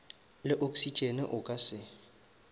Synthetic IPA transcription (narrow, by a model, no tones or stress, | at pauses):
lɪʔokʼsit͡ʃʼenɪ̰ʔʊkʼasɪ